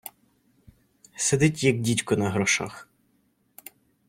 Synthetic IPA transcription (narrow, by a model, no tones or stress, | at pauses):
sed̪ɪtʲjɐɡ̚dʲitʲkʊnɐɦɾɔʃɑ̰x